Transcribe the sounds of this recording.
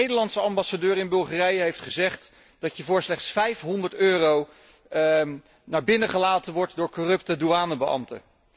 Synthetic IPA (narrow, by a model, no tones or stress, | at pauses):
ejdəlɑntsəɑmbɑsadøːɾɪnbɵlˠχarɛjəɦejftχəzɛχt | d̥ɑtjəvʊːɹslɛχtsfɛjfɦɔndəɹtøːrow | naːɹbɪnəχəlaːtənʋɔɹtdʊːɹkorɵptəduaːnəbəʔɑ̰mtə̰